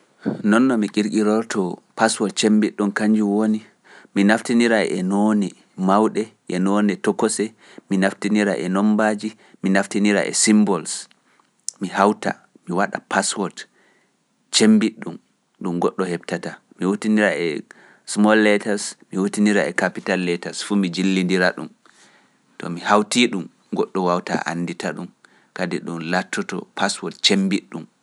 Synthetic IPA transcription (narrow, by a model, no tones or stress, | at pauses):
nɔnːɔmikiɾkiɾɔɾtʰɔpaswɔt̚t͡ʃembiɗːumkaɲd͡ʒiwoni | minaftiniɾaʔɛ̰nonɛ | mawɗɛʔɛnonɛtɔkːɔsɛ | minaftiniɾa̰ʔɛnɔmbad͡ʒi | minaftiniɾa̰ʔɛ̰simbɔls | mihawta̰ | miwaɗa̰paswɔt | t͡ʃembiɗːum | ɗumɡɔɗːɔhɛbtata | miwotiniɾaɛ | smɔlːɛtaɾsmiwotiniɾaɛkapitalːɛtasfumid͡ʒilːindiɾaɗum | tɔ̰mihawtiːɗum | ɡɔɗːɔwawta̰ʔa̰nːditaɗum | kadiɗunlatʰːɔtɔ̰pʰaswɔtt͡ʃembiɗːum